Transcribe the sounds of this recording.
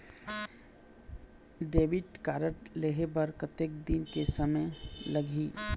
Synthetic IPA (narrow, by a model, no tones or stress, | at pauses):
ɖeːʋɪʈkaːɾəʈleɦebɐɾkət̪ek̚d̪inkesəməjləɡʱiː